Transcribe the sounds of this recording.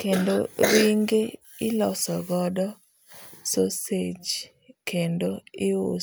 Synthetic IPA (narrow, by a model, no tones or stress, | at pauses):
kendoɾiŋɡe | ɪlɔsɔɡɔdɔ | sosed͡ʒ | kendoɪo